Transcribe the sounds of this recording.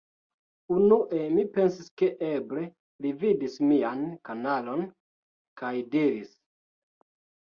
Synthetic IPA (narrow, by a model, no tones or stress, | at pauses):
unuʔe̞mipe̞nsiske̞ʔeble̞ | lividismiankanalo̞n | kajdiɾis